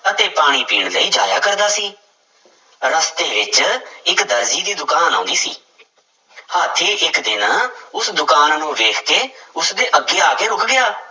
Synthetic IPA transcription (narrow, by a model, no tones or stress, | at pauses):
ət̪eːpaːɽ̃iːpiːɳləiːd͡ʒaːja̰ːkəɾd̪aːsiː | ɾəst̪eːʋɪt͡ʃɪkd̪əɾziːd̪iːd̪ʊkaːnã̰ːnd̪iːsḭː | haːt̪ʰeːʔɪkd̪ɪnãːʊsd̪ʊkaːnːũːʋeːkʰkeːʊsd̪eːʔəɡːeːaːkeːɾʊkɡɪjaː